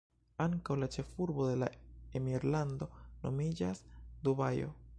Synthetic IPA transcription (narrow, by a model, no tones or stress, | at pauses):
aŋkawlat͡ʃe̞fuɾbo̞d̪e̞la̰emiɾland̪o̞no̞̰mid͡ʒasd̪uβajo̞̰